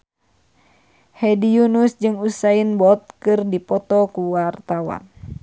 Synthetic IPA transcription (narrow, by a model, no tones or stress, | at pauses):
hɛdijunusd͡ʒɨŋusainbɔt̪̚kɨrdipɔt̪ɔkuwart̪awa̰n